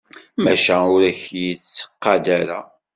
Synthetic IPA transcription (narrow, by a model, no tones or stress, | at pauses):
mæʃæʊɾæçjit͡sːə̥qːɑd̪æɾæ̰